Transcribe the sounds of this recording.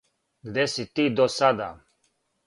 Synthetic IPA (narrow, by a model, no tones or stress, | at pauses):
ɡd̪esit̪id̪osad̪a̰